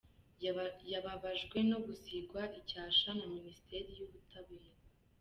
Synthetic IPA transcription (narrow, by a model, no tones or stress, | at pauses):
jaβaβaʒɡwe̞no̞ɡusiɡwaʔicaːʃanaminisi̥tʰe̞ɾijuβutʰaβeːɾa